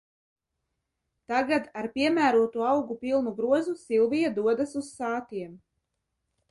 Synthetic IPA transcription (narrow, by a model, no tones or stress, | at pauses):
t̪aɡad̪aɾpʲiɛmæːɾuɔt̪uɔɑwɡupilˠnuɡɾuɔzusilˠvijad̪uɔd̪asussaːt̪iɛm